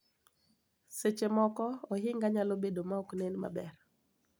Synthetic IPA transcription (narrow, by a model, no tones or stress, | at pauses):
set͡ʃemɔkɔɔɦɪŋɡaɲalobedomaɔknenma̰bɛr